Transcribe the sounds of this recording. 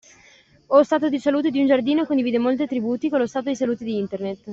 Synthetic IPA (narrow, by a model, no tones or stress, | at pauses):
ost̪aːt̪od̪isaluːt̪̬ed̪iund͡ʒard̪iːnokond̪iviːd̪emolt̪et̪ɾibuːt̪ikolːost̪aːt̪od̪isaluːt̪ed̪iint̪ernet̪ː